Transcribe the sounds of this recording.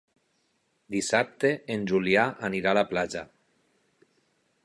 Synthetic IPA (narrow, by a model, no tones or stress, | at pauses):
d̪isap̚t̪eːnʲʒuliaʔaniɾalaplad͡ʒa